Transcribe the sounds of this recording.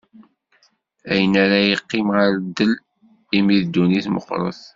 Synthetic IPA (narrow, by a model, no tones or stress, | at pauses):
æjənæɾajəqːɪmʁaɾd̪əl | imiðd̪ːuniθmə̰qːɾˤə̰θ